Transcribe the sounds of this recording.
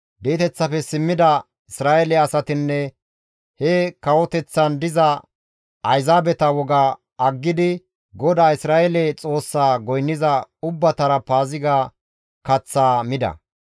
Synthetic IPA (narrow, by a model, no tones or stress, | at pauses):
d̪eːt̪ɛt͡sːɐfɛsɪmːɪd̪ɐ | ɪsɾaːʔɛlɛɐsɐt̪ɪnːɛ | hɛkɐwɔt̪ɛt͡sːɐnd̪ɪzɐ | ʔɐjzaːbɛt̪ɐwɔɡa | ɐɡːɪd̪ɪ | ɡɔd̪aːɪsɾaːɛlɛt͡sʼo̞ːsːaːɡɔjnːɪzɐʊbːɐt̪ɐɾɐpaːzɪɡaː | kɐt͡sːaːmɪd̪ɐ̰